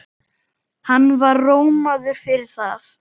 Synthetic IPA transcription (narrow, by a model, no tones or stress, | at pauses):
hanːvaɾroːwmaðʏfɪɾɪɾ̥θaθ